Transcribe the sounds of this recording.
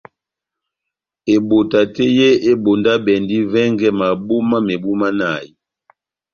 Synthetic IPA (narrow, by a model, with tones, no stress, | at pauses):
e˨bo˨ta˨tɛ˦je˦e˦bo˨nda˦bɛ˨ndi˦vɛ˦ŋɡɛ˦ma˨bo˦ma˦me˨bu˦ma˦na˨ji˨